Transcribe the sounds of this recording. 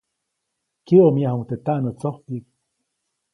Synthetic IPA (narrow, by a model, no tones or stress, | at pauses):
kiomiahoŋt̪et̪aʔnot͡soht̪ik